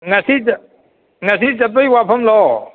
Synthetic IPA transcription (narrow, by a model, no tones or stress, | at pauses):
ŋasi | ŋas̬izɐp̬ejwapʰɐmlɔ